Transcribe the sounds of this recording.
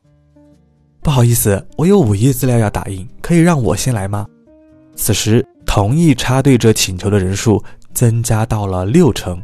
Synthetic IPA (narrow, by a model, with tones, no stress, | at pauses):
pu˥˩xɑ˨˩ʊi˥˩sɹ̩˨˩wɔ˧˥jo˧˥ʊu˨˩i˥t͡sɹ̩˥˧ljɑ˥˧ʊjɑ˥˩ʊt̪a̰˨˩i˥˩ŋkʰɤ˧˥i˨˩ɻɑ˥˩ŋwɔ̰˨˩ɕjɛ˥nla˧˥ɪmɐ˧ | t͡sʰɹ̩˨˩ʂɻ̩˧˥t̪ʰʊ˧˥ŋi˥˩ʈ͡ʂʰa˥t̪̬we˥˩ɪʈ͡ʂɤ˥˩t͡ɕʰi˨˩nt͡ɕʰjʊd̪ə˧ɻə˧˥nʂu˥˩t͡sɤ˥ŋt͡ɕja˥t̪ɑ˥˩ʊlə˩ljo˥˩ʊʈ͡ʂʰɤ˧˥ŋ